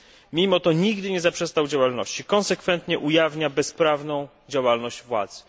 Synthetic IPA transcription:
mʲimɔt̪ɔɲiɡd̪ɘɲɛzapʂɛst̪awd͡ʑawalnɔɕt͡ɕikɔnsɛkfɛnt̪ɲɛʔujavɲabɛspɾavnɔ̃w̃ | d͡ʑawalnɔʑd͡ʑvwa̰d̪z

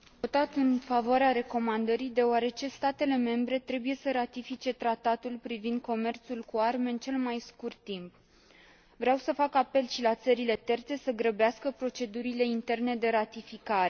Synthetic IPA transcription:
ot̪at̪ɨnfavoaɾeaɾe̞ko̞mand̪əɾijd̪e̞oaɾe̞t͡ʃe̞st̪at̪e̞le̞me̞mbɾe̞t̪ɾe̞buje̞səɾat̪ifit͡ʃe̞t̪ɾat̪at̪ulpɾivind̪̚ko̞me̞rt̪sulkuarme̞ɨnt͡ʃe̞lmajskurt̪ːimp | vɾeawsəfakape̞lʃilat̪səɾile̞t̪e̞rt̪se̞səɡɾəbeaskəpɾo̞t͡ʃe̞d̪uɾile̞int̪e̞rne̞d̪e̞ɾat̪ifikaɾe̞

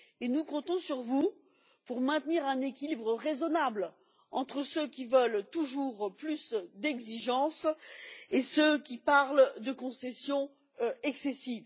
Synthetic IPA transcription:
enukɔ̃t̪ɔ̃syʁvu | puʁmɛ̃t̪niʁɛ̃nekʲilibʁəʁezɔnabl | ɑ̃t̪χəsøkʲivəlt̪uʒuʁplysd̪ɛɡziʒɑ̃s | esøkʲipaʁld̪əkɔ̃sɛsjɔ̃ | ɛksesiv

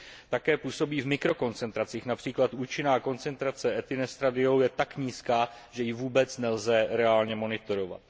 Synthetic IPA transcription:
t̪akɛːpuːso̞biːvmɪkɾo̞ko̞nt͡sɛnt̪ɾat͡siːxnapr̥iːklat̪ʔuːt͡ʃɪnaːko̞nt͡sɛnt̪ɾat͡sɛʔɛt̪ɪnɛst̪ɾadɪo̞wjɛt̪akɲiːskaː | ʒɛjɪvuːbɛt͡snɛlzɛɾɛaːlɲɛmo̞nɪt̪o̞ɾo̞va̰t̪

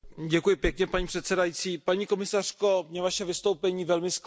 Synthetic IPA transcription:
ɟɛkujɪpjɛkɲɛpaɲiːpr̥ɛt̪sɛdajit͡siːpaɲiːko̞mɪsar̝̥ko̞mɲɛvaʃɛvɪst̪owpɛɲiːvɛlmɪsk

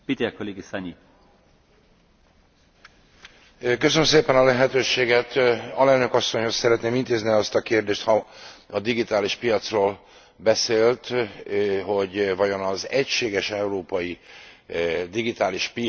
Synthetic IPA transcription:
pit̪ekoleːɡisaɲi | køsønømseːpɛnɒlɛɦɛt̪øːʃeːɡɛt̪ɒlɛlnø̞kɒsːo̞ɲho̞ssɛɾɛt̪neːmint̪eːzniɒst̪ɒkeːrd̪eːʃt̪hɒɒd̪iɡit̪aːliʃpijɒt̪sroːl | bɛseːlt̪ | ɦo̞ɟvɒjo̞nɒzɛcʃeːɡɛʃɛuroːpɒji | d̪iɡit̪aːliʃpi

